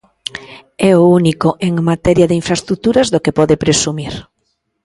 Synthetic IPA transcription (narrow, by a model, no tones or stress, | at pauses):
ɛounikoʔeŋmat̪ɛɾjaðɪiɱfɾaest̪ɾut̪uɾazðokepɔðepɾesumiɾ